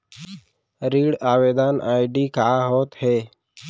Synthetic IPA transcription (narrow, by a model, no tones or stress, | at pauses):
ɾiːɽaːʋeːd̪aːnʔa̰ːɪɖiːkaːɦoːt̪heː